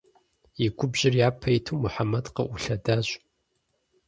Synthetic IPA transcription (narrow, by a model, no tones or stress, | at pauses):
iɡʷʊbʑɪrjaːpʰɐjɪtʰuwmuħamɐdqɐ̰ʔʊɬɐdaːɕ